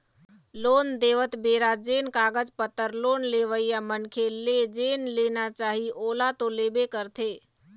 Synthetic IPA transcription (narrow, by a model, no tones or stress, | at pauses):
loːnd̪eːʋət̪beːɾad͡ʒenkaːɡəd͡ʒpət̪ːəɾloːnleʋəijamənkʰeled͡ʒenlenat͡ʃaːɦiʔoːlat̪oleːbekəɾt̪ʰeː